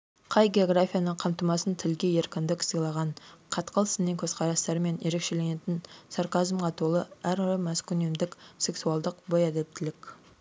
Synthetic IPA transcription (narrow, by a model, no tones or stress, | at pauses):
qʰɑjɡʲe̞o̞ɡrafʲijanəɴqʰɑmt̪əmɑsənt̪ʰɪlɡʲe̞je̞ɾkʲɪnd̪ɪksijlˠɑʁɑɴqʰɑt̪qʰəlˠəsəneŋkʲʰɵz̥qʰɑɾɑst̪ɑɾəme̞nje̞ɾe̞kʃe̞le̞ne̞t̪ɪnsaɾkazmʁɑt̪ʰolˠəæɾɾəmæskʲʏnemd̪ɪkse̞ksualˠd̪əqbo̞jɑd̪e̞p̚t̪ɪlɪkʲ